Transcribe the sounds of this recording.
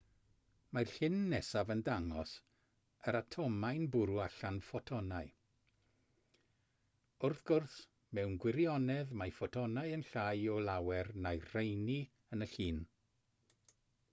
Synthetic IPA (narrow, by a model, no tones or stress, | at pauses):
marɬɪnːɛsavəndaŋɔs | əɾatʰɔmajnbʊɾuaɬanfɔtʰɔnaɨ | ʊrθɡ̥ʊrθ | mɛwnɡwɪɾjɔnɛðmajfɔtʰɔnaɨənɬajɔlˠawɛrnajr̥ejni | ənəɬiːn